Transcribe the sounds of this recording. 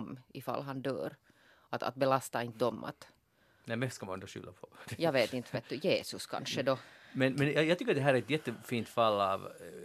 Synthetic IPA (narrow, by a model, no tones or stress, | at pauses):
mɪfa̰lːɦɑnd̪œ̰ːɾ | at̪a̰t̪̚bɛlast̪aɪnt̪əd̪ɔmːʔa̰t̪ | nɛmɛsskamanɛnd̪ɔʃʏ̰lːa̰pʰɔ̥jɑːɡveːt̪ɪnt̪vɛt̪ːʉjeːsɵskʰa̰nʂəd̪ɔmɛnmɛnjɑːjɑːt̪ʏkːəd̪ɛɦæːɾæɾɛt̪jɛt̪ːəfiːnt̪falːɑːv